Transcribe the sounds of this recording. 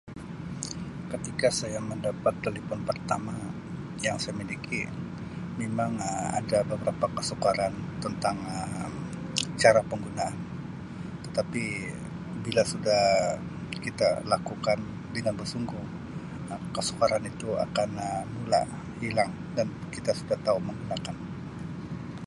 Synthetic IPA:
kət̪ikasajaməndapat̪̚kelifɔnpərt̪ama | jaŋsajaminikʰi | memaŋəa̰dabəbəɾapakəsukaɾant̪ənt̪aŋəm | t͡ʃaɾapəŋɡunaːn | t̪ə̥t̪api | bilasudah | kit̪alakukan | dəŋanbərsuŋɡʊh | kəsu̥kaɾanit̪ua̰kanəmula̰ʔ | hilaŋ | dankit̪asudaht̪auməŋɡunakan

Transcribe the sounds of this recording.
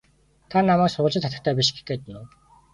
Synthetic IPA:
t̪ʰanamæːksʊɮt͡ɕɪ̆t̪ʰːat̪ə̆χt̪ʰæːpʲiʃɡe̥xɡeːt̪nʊː

